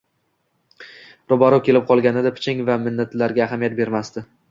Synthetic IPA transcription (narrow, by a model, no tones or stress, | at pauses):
ɾobaɾɒkʲʰe̞lɪp̚qʰɒlˠɡʲanɪd̪apʰɪ̥t͡ʃʰɪŋvamɪnːat̪laɾɡʲaːɦamijat̪̚be̞ɾmast̪ɪ